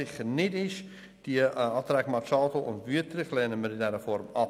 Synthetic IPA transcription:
ɪχəɾnɪdɪʃ | d̥iəɑːtɾɛːɡmɑt͡ʃɑːdl̩ˠʊ̰ntʋyətrɪχlɛːnəməɾɪndɛɾəfɔɾmɑ

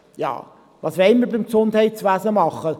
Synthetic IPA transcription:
jɑ̰ː | vɑːsʋɛɪnməɾbɪmksʊnd̥hɛɪtt͡sʋæsəmɑχːə

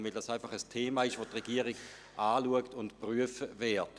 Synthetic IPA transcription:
vɪldɑsaɪfɑχəstʰeːmaːɪʃʋotʁeɡiəʁiɡ̥ | ʔaːluəktʊntpʁyəfəvɛːɐt

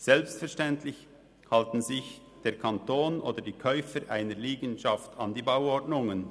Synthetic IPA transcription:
z̥ɛlpstfɛɐʁʃtɛntlɪç | haltn̩zɪç | d̥eːɐkʰantoːnʔoːdədiːkʰœʏfəɾʔa̰ɪnəɾliːɡənʃɑftʰɑndiːbaʊɔʁdnʊŋən

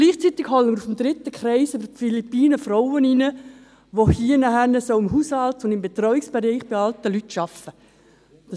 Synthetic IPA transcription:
ɡ̥liːχt͡sit̪iɡ̥hɔlənmɪɾufmd̪ɾɪt̪ːəkχɾɛɪsøbəɾfilipiːnəfrɔʊəninə | ʋohiənɑhɛnəsoʊɪmɦuːshɑltʊndɪmbet̪rɔwɪksb̥eɾiɪχb̥ɪɑltəlytʃɑfə | d̥ɑ

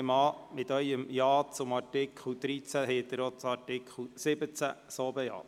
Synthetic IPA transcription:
mɑːmɪt̪œjəmjɑːt͡sʊmɑtɪkχl̩d̪̥ɾit͡sæɦeːt̪əɾot͡sɑɾtɪkʰχl̩sɪbət͡sæ̰soːbəjɑ̰ː

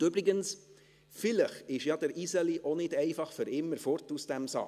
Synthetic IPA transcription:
ʏbɾɪɡəns | fɪləχɪʃjɑd̥̪əɾisɛliʔonɪd̥ɛɪfɑχfʏɾɪmːəɾfɔrtusd̥ɛmsɑ̰ː

